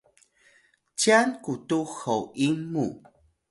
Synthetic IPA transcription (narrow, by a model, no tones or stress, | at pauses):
t͡ɕankutuxowʔimu